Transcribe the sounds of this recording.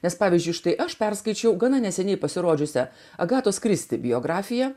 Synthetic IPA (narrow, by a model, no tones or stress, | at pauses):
nʲɛspɑːʋʲizʲd͡ʒʲʊɪʃt̪ɐɪʔɐʃpʲɛɾskɐɪt͡ʃʲɛʊɡɐnɐnʲɛsʲɛnʲɛɪpɐsʲɪɾoːd͡ʒʲʊsʲɛ | ɐɡɑːt̪oːskɾʲɪsʲt̪ʲɪbʲɪjoːɡɾɑːfʲɪjɛ